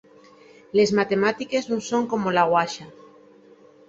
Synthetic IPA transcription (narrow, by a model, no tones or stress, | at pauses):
le̞zmat̪e̞mat̪ikeznusoŋkomolaɣwaʃa